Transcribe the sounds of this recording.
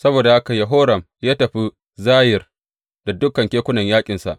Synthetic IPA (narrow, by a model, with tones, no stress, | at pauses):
sɐ˦boː˨da˨ha˦ka˨ja˨ɦoː˦ɾɐ˨m | jaː˦tɐ˨ɸi˦ | zaː˦jɪ˨r | da˨dʊ˦kːɐ˨ŋkʲeː˦kʷʊ˦nɐ˨ɲjaː˦kʲʼɪ˨nsa̰˨ʔ